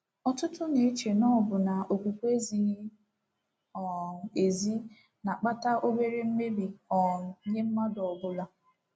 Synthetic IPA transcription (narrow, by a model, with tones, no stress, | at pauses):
ɔ˨tʊ˦tʊ˦ne˨˦t͡ʃe˨nɔ˦˨bʊ˨na˨o˨kʷu˨kʷe˦zi˨ɲi˦ | ɔ˨e˨zi˦ | na˨k͡pa˦ta˦ʔo˦be˦ɾe˦m̩˦me˦bi˨ɔ˨ɲe˦m̩˦ma˦dɔ˨ɔ˨bʊ˦la˦